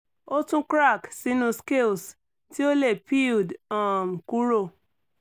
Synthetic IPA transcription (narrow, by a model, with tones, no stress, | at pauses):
o˦tũ˦kɾa˦˨ksi˨˦nũ˧ske˦˨ls | ti˦o˦le˦˨pi˦˨ldɔ̃˨m̩˨ku˦ɾo˦˨